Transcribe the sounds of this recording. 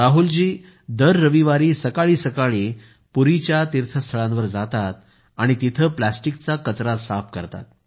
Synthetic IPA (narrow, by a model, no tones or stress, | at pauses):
ɾaɦuld͡ʑiː | d̪əɾːəʋiʋaɾiːsəkaɭiːsəkaɭiː | puɾit͡ɕjat̪iɾt̪ʰəst̪ʰəɭãnʋəɾd͡zat̪at̪̚ | aɽ̃it̪it̪ʰəːplasʈikt͡sakət͡sɾasapkəɾt̪a̰t̪̚